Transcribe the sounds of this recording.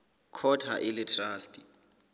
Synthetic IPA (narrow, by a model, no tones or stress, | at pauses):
kʰɔtʰaʔɪlɪtʰraːstʼi̥